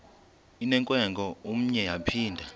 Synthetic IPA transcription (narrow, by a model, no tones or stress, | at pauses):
inɛŋkʼwɛŋɡʱɔum̩ɲɛjapʰiːndʱa